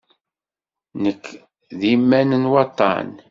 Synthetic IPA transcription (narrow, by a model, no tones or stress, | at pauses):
nəkː | ðimːænənwɑt̪ˤːɑ̰n